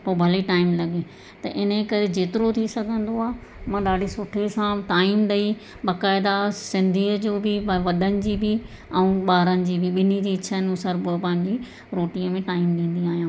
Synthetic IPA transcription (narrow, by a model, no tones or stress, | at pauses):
poːbʱɐliʈaːɪmlɐɠe | t̪ɐʔɪnəkɐɾed͡ʑeːt̪ɪɾot̪ʰisɐɡʱə̃nd̪oaːmãːɗaːɖʱisʊʈʰesãʈaːimɗ̪ɐi | ɓaːkaːɪd̪asɪ̃nd̪ʱiːəd͡ʑoːbʱɪʋɐɗənɪ̆d͡ʑiːbʱɪ | ɛ̃ũɓaːɾənɪ̆d͡ʑiːbʱɪɓɪnid͡ʑiːɪt͡ɕʰənũsəɾbpɐ̃ɦɪ̃ɲd͡ʑi | ɾoːʈĩəmẽʈaːimɗĩːn̆d̪iaːɦijãː